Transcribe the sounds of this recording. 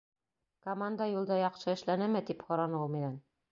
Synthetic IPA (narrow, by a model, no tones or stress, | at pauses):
komand̪əjulˠd̪ɑjɑqʃɤɘ̆ʃlænæmɘd̪iphɒɾɑnɤuminæn